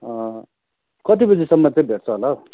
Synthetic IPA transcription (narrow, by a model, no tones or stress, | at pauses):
ʌ | kʌt̪̬ibid͡zisʌmːʌt͡sʌj̃bʱeʈt͡sʰʌɦolao